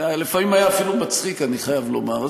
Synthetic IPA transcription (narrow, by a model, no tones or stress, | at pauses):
alefamimajaːfilumat͡sχikaniχajavlo̞̰maʁ